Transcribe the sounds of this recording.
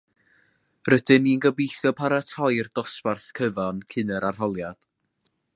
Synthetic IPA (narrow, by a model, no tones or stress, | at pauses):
rəd̥ɨninɡəbijθjɔpʰaɾatʰɔjrd̥ɔsparθkʰəvankʰɪnɛɾarɦɔlˠjad̥